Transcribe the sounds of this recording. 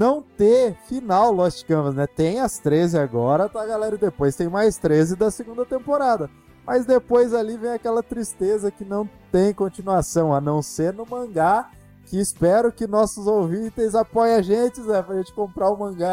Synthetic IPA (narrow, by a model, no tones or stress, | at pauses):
nɐ̃w̃t̪efinawlɔsɪ̥kɐ̃vɐznɛt̪ẽj̃ɐst̪ɾezɪaɡɔɾɐt̪aɡalɛɾɐɪd̪epojst̪ẽj̃majst̪ɾezɪd̪ɐseɡũnd̪ɐt̪ẽmpoɾad̪ɐ | mʔɐzd̪epojzalivẽj̃akɛlɐt̪ɾist̪ezɐkɪnɐ̃w̃t̪ẽj̃kõnt͡ʃinuasɐ̃w̃ɐnɐ̃w̃seɾnʊmɐ̃ɡa | kɪːspɛɾʊkɪnɔsʊzowvĩt̪ezapɔjaʒẽt͡ʃɪzɛpɾɐʒẽnt͡ʃɪ̥kõmpɾaʊmɐ̃ɡa